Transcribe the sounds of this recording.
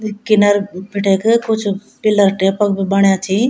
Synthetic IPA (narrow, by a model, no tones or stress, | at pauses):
kɪnəɾpʰɪʈʰekkʊt͡ʃʰ | pɪləɾʈepək̚bibɐɳjãt͡ʃʰi